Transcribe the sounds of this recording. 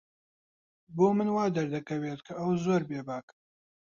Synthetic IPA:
boːmɨnwaːd̪ɐɾd̪ɐkɐweːt̪kʰɐʔɐwzoːɾbeːbaːk

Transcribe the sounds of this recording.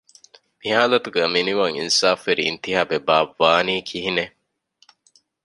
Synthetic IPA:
miɦaːlɐt̪uɡæminiʋaŋḭnsaːfʋeɾḭːnt̪iɦaːbebaːʋːaːniːkʰiɦine

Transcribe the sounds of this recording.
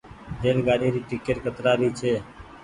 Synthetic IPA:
ɾeːlɡaːɾiɾiːʈikeːʈkət̪ɾaːɾiːt͡ʃʰeː

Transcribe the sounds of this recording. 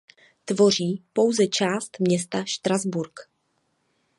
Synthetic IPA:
t̪vo̞r̝iːpo̞wzɛt͡ʃaːst̪mɲɛst̪aʃt̪ɾazbuɾk

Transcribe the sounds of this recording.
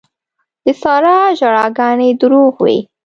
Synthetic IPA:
d̪̥əsɑɾɑʒaɽɑɡɑned̪əɾuɣwḭ

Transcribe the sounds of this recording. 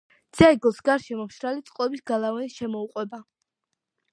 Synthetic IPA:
d̪z̥aiɡɔsɡaɾʃɛmɔmʃɾalit̪sʼqʼɔbisɡalˠavanisʃɛmɔuqʼwɛba

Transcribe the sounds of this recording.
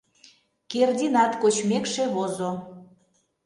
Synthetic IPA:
kerd̪ʲinɑt̪kot͡ɕmekʃeβozo

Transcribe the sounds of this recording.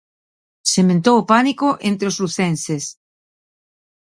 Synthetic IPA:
semẽnt̪owopanikoʔent̪ɾeosluθenses

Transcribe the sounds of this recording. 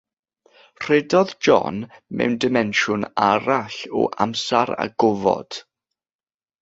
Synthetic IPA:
r̥ɛdɔðd͡ʒɔ̰nmɛ̰wndɪmɛnʃʊnaɾaɬɔ̰ʔa̰msaɾa̰ɡɔvɔ̰d̥

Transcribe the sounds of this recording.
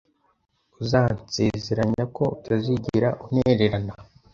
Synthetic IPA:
uzaːnt͡sezeɾaɲako̞utʰaziɟiɾaʔuneɾeɾana

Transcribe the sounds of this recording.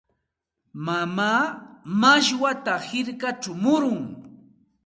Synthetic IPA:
mamaːmaʃwat̪ahɪɾkat͡ʃʊmʊɾʊŋ

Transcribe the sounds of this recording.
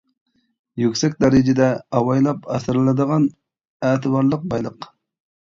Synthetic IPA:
jykʲsɛkʲd̪ɑɾɪd͡ʒɪd̪ɛɑwɑjlˠɑpɑsɾlˠɨd̪əʁɑn | æːt̪ʰɨbɑɾlˠəq̚bɑjlˠəq

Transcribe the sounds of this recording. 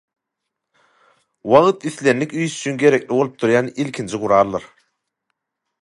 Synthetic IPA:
wɑʁt̪iθlenːikʲyjsy̥t͡ʃʰynɡʲe̞ɾekʲlibo̞lˠup̚t̪ʰuɾjɑnilʲkʲʰint͡ʃʰiʁuɾɑːɾlˠɯɾ

